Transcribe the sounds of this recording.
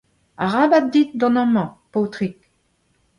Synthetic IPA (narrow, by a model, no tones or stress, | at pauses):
aʁabat̪̚d̪it̪̚d̪ɔ̃nɔ̃mɑ̃pɔt̪ʁik